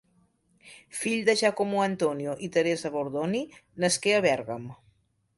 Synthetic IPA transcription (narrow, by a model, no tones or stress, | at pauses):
fiʎd̪əʒakomuənt̪onioʔit̪əɾezəβoɾðoninəskeəβɛɾɣəm